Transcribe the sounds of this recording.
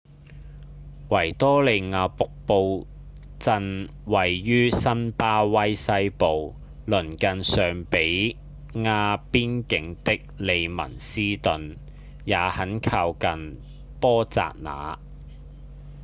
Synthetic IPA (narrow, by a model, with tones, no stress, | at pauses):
wɐ˨˩jt̪ɔː˥le˨˧jŋaː˨˧pʊ˨k̚po˧w | t͡sɐ˧n | wɐ˨jːyː˥sɐ˥npaː˥wɐ˥jsɐ˥jpo˨w | lɵ˨˩nkɐ˨˧nsœː˨ŋpe˨˥j | ŋaː˧piː˥nkɪ˨˥ŋt̪ɪ˥k̚le˨˧jmɐ̰˨˩nsiː˥t̪ɵ˨n | jaː˨˧hɐ˨˥nkʰaː˧wkɐ˨n | pɔː˥t͡sa̰ː˨k̚na̰ː˨˧